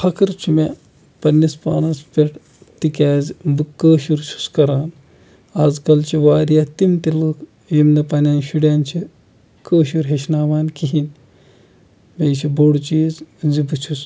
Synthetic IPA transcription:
pʰɐkɨɾt͡ʃʰume | pɐnːispa̰ːnɐspʲeʈ | t̪ikʲaːzbɨkːəːʃuɾt͡ʃʰu̥skɐɾaːn | ɐzkɐlt͡ʃʰiʋaːɾijat̪imt̪ilɨːk | jimnɐpɐnʲaːnʃuɽʲaːnt͡ʃʰi | kəːʃuɾɦeʃnaːʋaːnkiɦin | bʲejt͡ʃʰiboɽt͡ʃiːzzibɨt͡ʃʰus

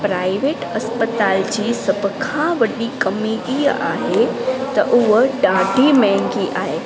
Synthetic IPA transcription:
pɾaːɪʋeːʈɐspət̪aːld͡ʑiːsɐbʱkʰãʋɐɗikɐmiiːaːɦet̪ɐʔʊɦɖãːɖʱimɛ̃ŋɡiʔaːɦeː

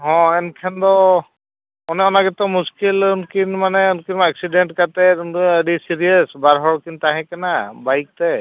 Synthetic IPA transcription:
ɦɔ̃ɛnkʰɛndɔ | ɔnɛɔnaɡɛtɔmuskilunkinmanɛɔnkinmaɛksidɛntkatɛdisiɹiasbaɹɦɔɹkintaɦɛ̃kɛnabajk̚tɛ

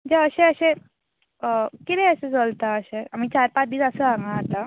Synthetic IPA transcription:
d͡ʑaəɕẽəɕẽ | kit̪ɛ̃əɕẽd͡zəlt̪aəɕẽamiːt͡ɕaɾpat͡sd̪iːləsəãŋɡãat̪a

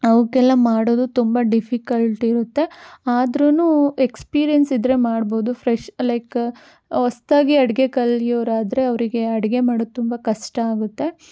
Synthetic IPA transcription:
ɐʋkɛlːɐmaːɽoːd̪ut̪umbɐɖifʰikɐlʈiɾut̪ːe̞aːd̪ɾunuːekspiːɾijɐnsid̪ɾe̞maːɖboːd̪ufʰɾɛʃlɐjk | ɔst̪aːɡiɐɽɛɡekɐlːijoːɾaːd̪ɾe̞ɐʋɾiɡe̞ɐɽɐɡe̞maːɽot̪umbɐkɐʂʈɐaːɡut̪ːe̞

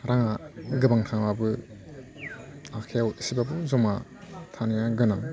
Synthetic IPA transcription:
ɾaŋaɡɯbaŋtʰaŋwabɯ | akʰeawsibabɯzɔmatʰanijaɡɯnaŋ

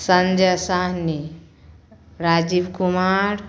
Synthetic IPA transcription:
sənd͡ʒəsaɦni | ɾad͡ʒibkumaɾ

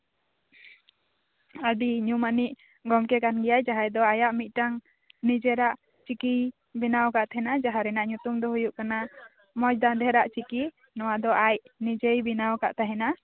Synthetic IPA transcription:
əɖiɲumaniʔ | ɡɔmkɛkanɡɛjajd͡ʒaɦajd̪ɔajaʔmit̪̚ˀʈaŋ | nid͡ʒɛɾaʔ | t͡ʃikij | binawkaʔt̪ʰɛnad͡ʒaɦaɾɛnaʔɲut̪umd̪ɔɦujuʔkana | mɔjd̪and̪ʱɛɾaʔt͡ʃiki | nɔwad̪ɔʔajnid͡ʒejbinawka̰ʔt̪aɦɛna

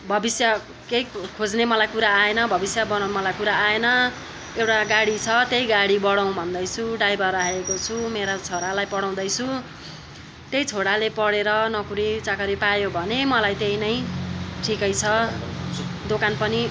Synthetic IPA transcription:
bʱʌbisjʌ | kejkʰod͡znemʌlajkuɾaːenʌbʱʌbisjʌbʌmʌlajkuɾaaenʌ | ewʈaɡaɽit͡sʰʌt̪ejɡaɽibʌɽaw̃bʱʌnd̪ʌjt͡sʰuɖajbʱʌraekot͡sʰumeɾat͡sʰoɽalajpʌɽaw̃d̪ʌjt͡sʰu | t̪ejt͡sʰoɽalepʌɽeɾʌnʌkuɾit͡sakʌɾipajobʱʌnemʌlajt̪ejnʌj̃ʈʰikʌjt͡sʰʌ | d̪okanpʌni

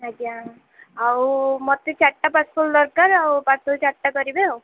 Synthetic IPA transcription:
ɦad͡ʒia | awmɔt̪it͡ʃaʈːapaspʰuld̪ɔɾkaɾawpat̪ʰɔt͡ʃaʈːakɔɾibeaw

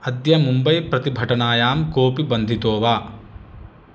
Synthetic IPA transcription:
ɐd̪jɐmumbɐjpɾɐt̪ibʱɐʈɐnaːjaːmkoːpibɐnd̪ʱit̪oːʋaː

